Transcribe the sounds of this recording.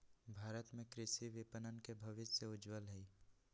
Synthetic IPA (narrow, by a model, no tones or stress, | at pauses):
bʱaːɾət̪mẽkɾɪʃiʋɪpənənkebʱɐʋɪt̪seʊd͡ʒwəlɦɛi